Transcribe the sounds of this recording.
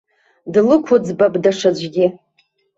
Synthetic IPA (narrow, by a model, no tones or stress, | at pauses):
dlɨkʷʰʊd͡zbabʼdaʂad͡ʒʷɡʲɪ